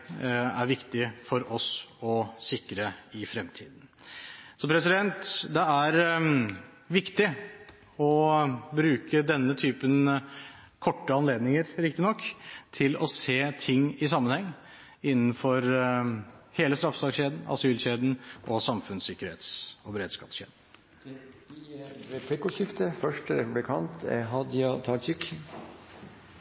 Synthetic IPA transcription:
æɾʋɪkt̪ɪfɔɾɔsɔsɪkɾəɪfɾɛmt̪ʰḭːd̪n̩ | sɔpʰɾɛsɪd̪ɛnt̪d̪ɛæɾ | ʋɪkt̪ɪ | ɔbɾʉːkʰəd̪ɛnːət̪ʰyːpən | kʰɔʈːəɑnleːd̪nɪŋəɾɾɪkt̪ɪnɔkːt̪ʰɪlɔseːt̪ʰɪŋːɪsɑmːənhɛŋː | ɪnːn̩fɔɾ | heːləst̪ɾɑfsɑkɕeːd̪n̩ɑ̰syːlɕeːd̪n̩ʔɔsɑmfʉnsɪkːəɾhḛːt̪sɔbəɾeːd̪skɑ̰ːpsɕḛːd̪n | ɾɛpʰlɪkʊɕɪft̪əfœʂʈəɾɛpʉblɪkʰɑnt̪ʰɛ̰ɦɑd̪jɑt̪ʰɑt͡ʃɪk

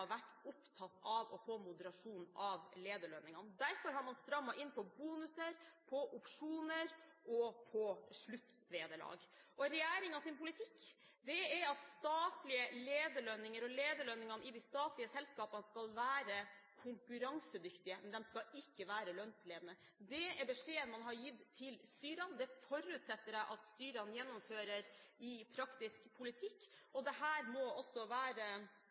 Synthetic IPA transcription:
ʋæʈːʊpt̪ʰɑt̪ːɑʋɔfoːmʊd̪əɾɑʂuːnnɑʋleːd̪əɭœnɪŋɑnd̪æɾfɔɾɦɑɾmɑnst̪ɾɑmːɑʔɪnːpʰɔbuːnʉsəɾpʰɔʔʊpʂuːnəɾɔpʰɔʂɭʉt̪ː | leːd̪əɭɑ̰ːɡʔɔɾɛjæːɾɪŋɑsɪnpʰʊlɪt̪ʰɪkː | d̪ɛɛɾɑt̪st̪ɑːt̪lɪəleːd̪əɭœnːɪŋəɾɔleːd̪əɭœnːɪŋɑnəɪd̪ɪst̪ɑːt̪lɪəsɛlskɑːpɑnskɑlʋæːɾə | kʰʊŋkʉɾɑŋsəd̪ʏkt̪ɪəmɛnd̪ɛmskɑɪkːəʋæːɾəlœnsleːd̪ənə | d̪ɛɛɾbɛʂeːənmɑnɦɑɾjɪt̪ʰːɪlst̪yːɾənd̪ɛfɔɾʉːt̪sɛt̪ːəɾɛɪʔɑt̪st̪yːɾənjɛnːɔmføːɾəɾɪpʰɾɑkt̪ɪskpʰʊlɪt̪ʰɪkːɔd̪ɛɦæːɾmɔɔsːɔʋæːɾə

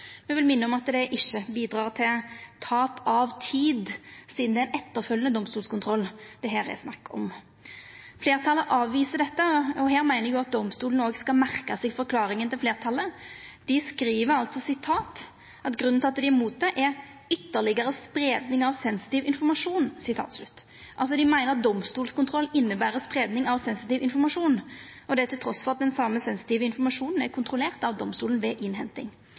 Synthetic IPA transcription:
mɛʋɪlmɪnːəɔmɑt̪d̪ɛʔɪçːəbiːd̪ɾɑːʁt̪ʰɪlt̪ʰɑːpɑʋt̪ʰiːd̪siːd̪n̩d̪ɛæɪnɛt̪ːəʁfœlːənəd̪ɔmst̪uːlskʰʊnt̪ʰɾɔlːd̪̥ɛɦeːɾæ̰snɑkːɔ̰m | fleːʁt̪ʰɑləʔɑːʋʋiːsəd̪ɛt̪ːəɔɦeːɾmæɪnəjʊɑt̪̚d̪ɔmst̪uːlnoːɡskɑlmæʁkɑsɛɡfɔɾkʰlɑːɾɪŋənt̪ɪlfleːʁt̪ʰɑlːəd̪̥ɪskɾiːʋəɾɑlt̪sɔsɪt̪ʰɑːt̪ | ʔɑt̪ɡʁʉnnʰɪlɑt̪ːd̪ɪmuːt̪̚d̪ɛʔɛɾ | ʏt̪ːəlɪɡəɾəspɾeːd̪nɪŋɑʋsɛnsɪ̥t̪iːʋɪnfɔʁmɑʂuːnsɪt̪ʰɑ̰ːt̪slʉt̪ː | ʔɑ̰ls̬ɔd̪ɪmæɪnəʁɑt̪̚d̪ɔmst̪uːlskʊnt̪ʰɾɔlːɪnːəbæːɾəspʁeːd̪nɪŋɑʋsɛnsɪt̪iːʋɪnfɔɾmɑʂuːnʔɔd̪ɛæt̪ʰɪlt̪ʰɾɔsfɔʁɑt̪̚d̪ɛnsɑmːəsɛnsɪ̥t̪iːʋəɪnfɔmɑʂuːnn̩ækʰʊnt̪ʰʁʊleːʁt̪ɑʋd̪ɔmst̪uːln̩ʋɛʔɪnɦɛnt̪ɪ̰ŋ

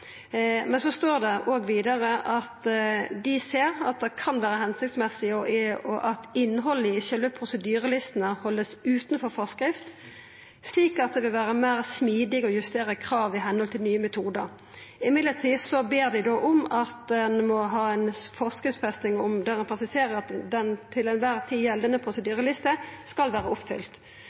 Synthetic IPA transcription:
mɛnsɔst̪oːʁd̪ɛʔoːɡʋiːd̪ɑʁəʔɑt̪d̪ɪseːʁɑ̰t̪̚d̪ɛkʰɑnʋæːɾəhɛnsɪkt̪smɛsːɪɔɔʔɑt̪ɪnːɦɔlːəɪʃœlʋəpʰɾʊsəd̪yːʁəlɪst̪ənəhɔlːəsʉːt̪nfɔɾfɔʁskɾɪft̪ | sliːkɑt̪̚d̪ɛʋɪlʋæːʁəmæːʁsmiːd̪ɪɡɔjʉst̪eːɾəkʰɾɑːʋɪɦɛnəhɔlt̪ʰɪlnyːəmɛt̪ʰuːd̪əɾ | ɪmɪd̪lət̪ʰiːsɔbeːʁd̪ɪd̪ɔʔɔmɑt̪̚d̪ɛnmɔɦɑːɛɪnfɔʁskɪft̪sfɛst̪nɪŋɔmd̪æʁɛnpʰʁɛsɪseːʁəɾɑt̪d̪ɛnt̪ʰɪlɛnʋæːʁt̪ʰiːjɛld̪ənəpʰʁʊsəd̪yːʁəlɪst̪əskɑlʋæːɾəɔpːfʏ̰lt̪

